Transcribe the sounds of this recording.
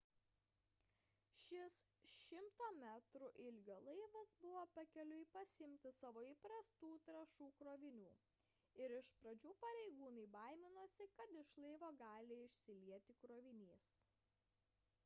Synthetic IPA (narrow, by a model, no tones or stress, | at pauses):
ʃʲɪsʃʲɪmt̪oːmʲæt̪ɾʊʔɪlʲɡʲoːlˠɐɪʋɐsbʊʋoːpɐkʲɛlʲʊɪpɐsʲɪmʲt̪ʲɪsɑːʋoːipɾɐst̪uːt̪ɾɐʃuːkɾoːʋʲɪnʲuː | ɪɾɪʃpɾɐd͡ʒʲuːpɐɾʲɛɪɡuːnɐɪbɑˑɪmʲɪnoːsʲɪkɐt̪ɪʃlˠɐɪʋoːɡɑːlʲɪɪʃʲsʲɪlʲiɛt̪ʲɪkɾoːʋʲɪnʲiːs